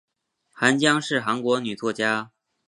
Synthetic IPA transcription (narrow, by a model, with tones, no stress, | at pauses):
xa˧˥nt͡ɕjɑ˥ŋʂɻ̩˥˩xa˧˥nkwɔ˧˥ny˨˩t͡swɔ˥˩t͡ɕja˥